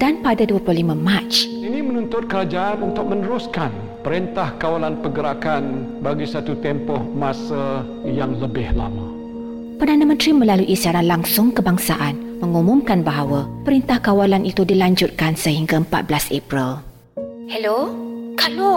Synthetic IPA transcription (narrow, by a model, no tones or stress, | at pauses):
d̥anpadaduəplohlimãmãt͡ʃ | inĩmə̃nũnt̪ʊt̪̚kəɾad͡ʒaʔanunt̪ʊk̚mə̃nəɾʊskan | pəɾint̪ahkawalanpəɡəɾakanbaɡisat̪ut̪ɛmpɔhmãsa | jaŋləbɪhla̰mã | pərdanãmə̃nt̪ɾimə̃laluʔisiaɾanlaŋsʊŋkəbaŋsaʔanmə̃ŋumũmkanbaɦawapəɾint̪ahkawalanʔit̪udilaɲd͡ʒut̪̚kansəhiŋɡaəmpa̰t̪̚blasepɾil | hɛlokalo